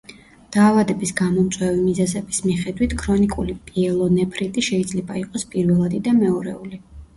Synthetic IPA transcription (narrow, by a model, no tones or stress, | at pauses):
d̪̥aːvad̪ɛbisɡamɔmt̪sʼwɛvimizɛzɛbismiχɛd̪wit̪ʰkʰɾɔnikʼulipʼiɛlˠɔnɛpʰɾit̪ʼiʃɛid̪zlɛbaiqʼɔspʼiɾvɛlˠad̪id̪amɛɔɾɛuli